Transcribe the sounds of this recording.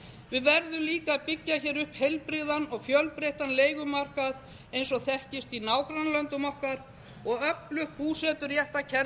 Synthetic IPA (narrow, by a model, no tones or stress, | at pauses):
vɪðvɛɾðʏmliːkaðpɪcːaçɛːɾʏhphejlpɾɪðanɔɣfjœlpɾejht̪anleːjɣʏmar̥kað | ejnsɔɣθɛhcɪst̪inaːwkɾanlœnt̪ʏmɔhkaɾ | ɔɣœplʏhkːuːsɛt̪ʏɾjɛht̪acʰɛɾ